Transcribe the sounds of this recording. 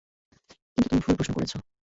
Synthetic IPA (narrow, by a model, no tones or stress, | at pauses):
kint̪ut̪umifʰulpɾoʃnokoɾḛt͡ɕʰo